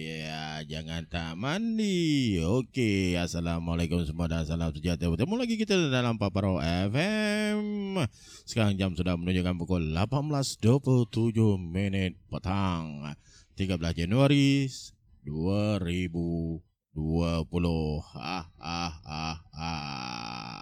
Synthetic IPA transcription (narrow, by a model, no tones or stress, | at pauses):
jad͡ʒaŋant̪amandiokeasalamalakʊmsəmuadansalamsəd͡ʒat̪abət̪amulaɡikit̪ədalampapaɾaɛfɛm | sə̥kaɾaŋd͡ʒamsudahmənuɲd͡ʒukanpukɔllapanblasdopult̪ud͡ʒʊhminɪt̪̚pət̪aŋ | t̪iɡabəlasd͡ʒanuaɾi | duaɾibu | duapulʊha̰hahaha